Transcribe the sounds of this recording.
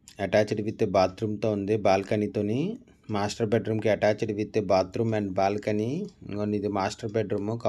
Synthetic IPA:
ɐʈaːt͡ʃiɖiʋit̪ːebaːt̪ɾumt̪oːund̪ibaːlkɐnit̪oːni | maːsʈɐɾbeɖɾuːmkiɐʈaːt͡ʃiɖiʋit̪ːebaːt̪ɾumɐɳɖbaːlkɐniɡonid̪imaːsʈɐɾbeɖɾuːmuka

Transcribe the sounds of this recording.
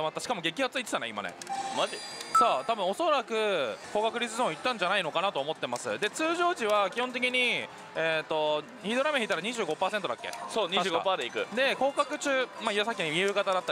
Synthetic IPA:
amat̪ːaɕi̥kamo̞ɡe̞kʲihat͡sɨit͡s̪e̥t̪aneima̰nḛmaʑisoːt̪abɯ̃o̞so̞ɾakɯ̟ko̞ːkakɯ̟ɾʲit͡sɨzõit̪ːãɲ̟d͡ʑanaino̞kanat̪o̞ːmo̞t̪ːe̞masɨ̰d̪e̞t͡sɨːʑo̞ːʑiβakʲihõnt̪̬e̞k̬ʲiɲ̟i | eːt̪ːo̞ | çid̪o̞ɾameçit̪aɾaɲiʑɨːɡo̞paːse̞nt̪od̪akːe̞̰soːɲiãːɡoapaːd̪eikɯ̟d̪e̞ko̞ːkakɯ̟t͡ɕɨːmaiasakʲːiɲomiɯːkat̪ad̪at̪ːa

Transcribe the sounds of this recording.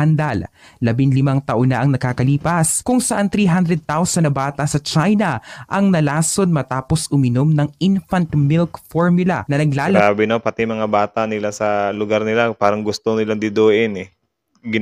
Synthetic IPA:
ɐnd̪alː | ɐbɪŋlɪmaŋt̪ɐʔonɐʔɐŋnɐɡkaːkɐliːpɐskʊŋsɐʔant̪ɾiːɦand̪ɾɛd̪̚t̪awsɐnbaːt̪ɐsɐt͡ʃajnɐʔɐŋnɐlaːsonmɐt̪aːposʔʊmɪnomnɐŋɪnfɐnt̪mɪlkfoɹmjʊlɐ̰nɐnɐɡlaːabɪnopɐt̪ɪjmɐŋabaːt̪aʔnɪlasɐlʊɡaɾnɪlapaːɾɐŋɡʊst̪onɪlaŋd̪ɪd̪oːʔɪnɛ | ɡɪ

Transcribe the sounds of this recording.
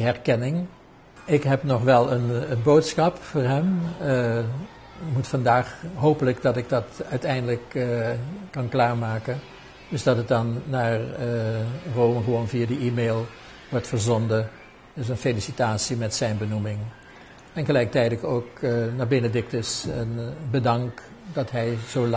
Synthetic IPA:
ɦɛɹkɛnɪŋ | ɪkɦɛpnɔχʋɛlˠənənbowtsxɑpfʊːɹɦɛm | mutfɑndaːχɦowpələɡdɑtɪɡ̚dɑtœɥtɛjndələkː | ɑnklaːɹmaːkən | d̥ɵsdɑtɦət̚dɑnːaːɹ | rowməχəʋownviadiʔiːmeːlˠ | ʋɔɹtfəɹzɔndə | dɪs̬ənfelisitaːtsimɛtsɛjnbənumɪŋ | ɛnχəlɛjk̚tɛjdəkowknaːɹbɪnədɪk̚təsənbədɑŋk | dɑtɦɛjzow

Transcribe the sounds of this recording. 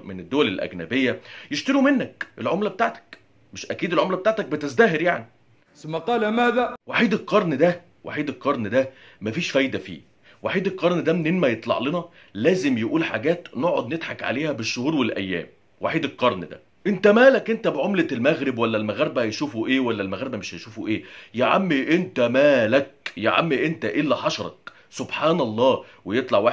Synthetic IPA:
mened̪ːowælelʔæ̰ɡnæ̰bejːæjeʃt̪ɑɾumenːækʔelʕomlæbet̪aːʕt̪æ̥k | meʃʔækiːd̪elʕomlæbet̪aʕt̪æk̚bet̪ezd̪æːɦeɾjaʕni | somːɑqɑːlæmæːd̪æwaħiːd̪elqɑɾˤnd̪æ | wa̰ħiːd̪elqɑɾˤnd̪æ | mæfiːʃfæjd̪æfḭː | waħiːd̪elqɑɾˤnd̪æmenenmæjet̪ˤlɑ̰ʕlenɑ | læːzemjeʔuːlħa̰ɡæːt̪noʕod̪ned̪ħɑkʕa̰leːhæbeʃːohuːɾwelʔæ̰jːæ̰ːm | waħiːd̪elqːɑɾˤnd̪æ̰ | ʔent̪æmæːlækʔent̪æbeʕomlælmæɣɾebwælːælmæɣæɾebæhæjʃuːfuʔeːwælːælmæɣɾebæmeʃhæjʃuːfuʔeːjeʕa̰mːiʔent̪æmæːlæk̚jeʕa̰mːiʔent̪æʔelːæħɑʃɑɾˤɑ̰k | sobħaːnɑlˤːɑːwejet̪ˤlɑʕwa

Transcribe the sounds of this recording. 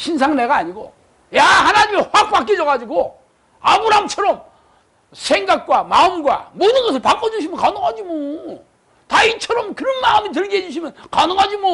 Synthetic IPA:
ɕʰins̬ʰaŋneɡaːɲiɡo̰ | jahanaɲimiɸwak̚p͈ak͈id͡ʑʌɣad͡ʑiɡo | abɯɾamt͡ɕʰʌɾʌm | sʰeŋɡak̚k͈wamaɯmɡwa̰mʌnɯnɡʌsʰɯɭpak͈ʌd͡ʑuɕʰimjʌnkanoŋɦad͡ʑimo | tait͡ɕʰʌɾʌmkɯɾʌnmaɯmit̬ɯɭɡeɦed͡ʑuɕʰimjʌnkanɯŋɦad͡ʑimo

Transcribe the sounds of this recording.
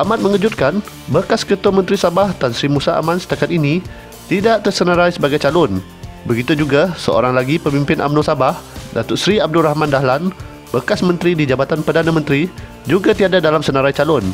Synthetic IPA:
ʔamãt̪̚mə̃ŋəd͡ʒut̪̚kanbərkaskət̪uamə̃nt̪ɾisabahdansɾimũsaa̰mãnsə̥t̪akat̪̚inĩ | t̪idaʔt̪ərsənaɾajsəbaɡajt͡ʃalʊn | bəɡit̪ud͡ʒuɡasəo̰ɾaŋlaɡipəmĩmpɪnʔa̰mnosabahdat̪ʊt̪sɾiab̚duɾahmãndahlan | bərkasmə̃nt̪ɾidid͡ʒabat̪anpərdanãmənt̪ɾi | d͡ʒuɡat̪iadadalamsənaɾajt͡ʃalʊn

